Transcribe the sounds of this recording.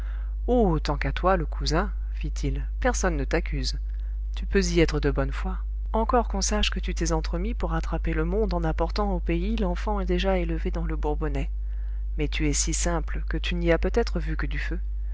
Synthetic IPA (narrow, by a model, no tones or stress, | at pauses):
oot̪ɑ̃kat̪waləkʰuzɛ̃ | fit̪ʰil | pɛʁsɔnːət̪akʲʰyz | t̪ypøziɛt̪χəd̪əbɔnfwa | ɑ̃kɔʁkɔ̃saʃkət̪yt̪ɛzɑ̃t̪χəmipuʁːat̪χapeləmɔ̃d̪ɑ̃napɔʁt̪ɑ̃opeilɑ̃fɑ̃ɛd̪eʒaeləved̪ɑ̃ləbuʁbɔnɛ | mɛt̪yɛsisɛ̃plkət̪yniapøt̪ɛt̪χəvykəd̪yfø